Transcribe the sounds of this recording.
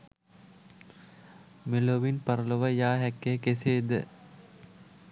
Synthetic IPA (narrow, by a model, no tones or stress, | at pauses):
miloʋinpɐɾəloʋəjaːɦɛkːekeseːd̪ə̰